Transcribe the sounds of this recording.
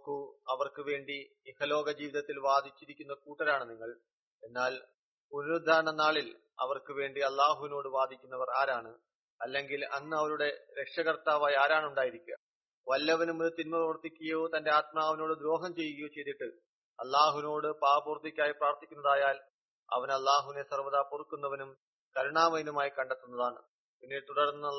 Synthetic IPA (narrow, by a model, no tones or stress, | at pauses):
kuɐʋɐrkɨʋe̞ːɳɖi | ihɐlo̞ːɡɐd͡ʑiːʋiðɐt̪ːilʋaːd̪ʱit͡ɕːiɾikʲːunːɐkuːʈːɐɾaːɳɨniŋːɐɭ | e̞nːaːl | unuɾd̪ʱaːɾɐɳɐnaːɭil | ɐ̰ʋɐrkɨʋe̞ːɳɖiɐlːaːɦuʋino̞ːɽɨʋaːd̪ʱikʲːunːɐʋɐraːɾaːɳɨ | ɐlːe̞ŋɡilɐnːɨɐʋɐɾuɽe̞ɾe̞kʂɐɣɐrt̪aːʋaːjaːɾaːɳuɳɖaːjiɾikʲːuɣɐ | ʋɐlːɐʋɐnumoɾut̪inmɐprɐʋɐrt̪ːikʲːuɣɐjoːt̪ɐnde̞aːt̪̚maːɐʋɐno̞ːɽɨd̪ɾo̞ːɦɐmt͡ɕe̞jːuɣɐjot͡ɕe̞jt̪ːiʈːɨ | ɐlːaːɦuʋino̞ːɽɨpaːbuːrt̪ːikʲːaːjipraːɐrt̪ikʲːunːɐðaːjaːl | ɐ̰ʋɐnɐlːaːɦuʋine̞sɐrʋɐðaːpurukːunːɐʋɐnum | kɐɾuɳaːmɐjnumaːjikɐɳɖet̪ːunːɐðaːɳɨ̰ | pinːit̪uɽɐɽunːɐ